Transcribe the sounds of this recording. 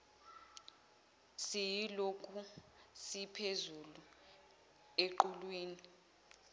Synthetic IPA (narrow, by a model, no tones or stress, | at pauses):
sijilokʰʼusipʰezulu | eǃulwiːni